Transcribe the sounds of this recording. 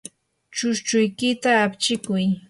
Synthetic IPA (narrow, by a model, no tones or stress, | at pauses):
t͡ʃʊʃt͡ʃʊjkɪt̪aːpt͡ʃɪkʊj